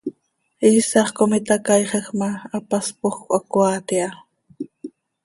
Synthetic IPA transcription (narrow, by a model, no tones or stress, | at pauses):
iːsɑχkomɪt̪akajχəxmaːpaspoxkʷʔakwaːt̪ia